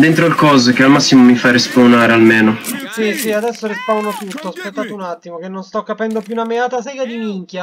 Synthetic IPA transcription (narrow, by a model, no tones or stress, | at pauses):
d̪ent̪ɾolkɔːzek̟ealmasːimomifarispawnaːɾealmeːnosisiad̪ɛsːoɾispawnot̪ut̪ːoaspet̪ːaːt̪ounat̪ːimok̟enːonst̪ɔkːapɛnd̪opjunameaːt̪asɛɡad̪imiŋkja